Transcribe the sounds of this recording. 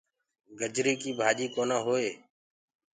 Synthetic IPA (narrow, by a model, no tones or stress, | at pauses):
ɡəd͡ʒɾiːkiːbʱaːʄiːkoːnãːɦoːeː